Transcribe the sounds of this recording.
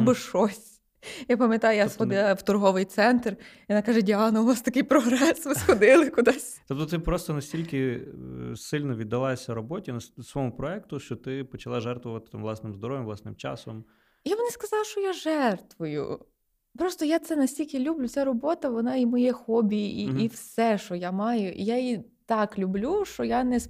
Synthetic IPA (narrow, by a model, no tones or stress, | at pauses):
bɪʃɔsʲ | japɐmʲjɐt̪ɑjʊjasxɔɪlˠɐwt̪ʊrɦɔʋɪjt̪sɛnt̪r | ɔnakaʒɛdʲiɑnɐʊnast̪ɐkɪjpɾɔɦɾɛsʋɪsxɔd̪ɪlˠɪkʊd̪asʲt̪ɔp̚t̪ɔt̪ɪpɾɔst̪ɔnɐsʲtʲilʲkɪ | sɪlʲnɔʋʲid̪ːɐlˠajesʲɐɾɔbɔtʲinɐssʋɔmʊpɾɔɛkt̪ʊʃt͡ʃɔt̪ɪpɔt͡ʃɐlˠɑʒɛrt̪ʋʊʋɐt̪ɪ̥t̪amʋlˠɑsnɪmzd̪ɔɾɔʋʲjɪmlˠɑsnɪmt͡ʃɑ̰sɔm | ijaʋɔnɪskɐzɑlˠʃt͡ʃɔjaʒɛrt̪ʋʊjʊ̰ | pɾɔst̪ɔjat̪sɛnɐsʲtʲilʲkʲɪlʲublʲʊt̪sʲɛɾɔbɔt̪ɐʋɔnɑimɔjɛxɔbʲiiiwsɛʃt͡ʃɔjamɑjʊʔḭjajit̪ɑklʲublʲuʃt͡ʃɔjanɛs